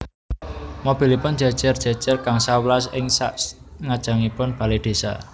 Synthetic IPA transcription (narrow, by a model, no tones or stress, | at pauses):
mob̥i̤lipʊn̥d͡ʒ̥a̤d̥ʒ̥ɛrd̥ʒ̥a̤d̥ʒ̥ɛrkaŋsawlasɪŋsa̰ʔŋad̥ʒ̥a̤ŋipʊnb̥a̤led̪̥e̤sa̰